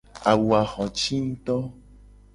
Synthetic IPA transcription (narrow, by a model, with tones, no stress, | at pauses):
a˨wu˨a˨xɔ̃˨t͡ʃi˦n̩˦t̪ɔ˦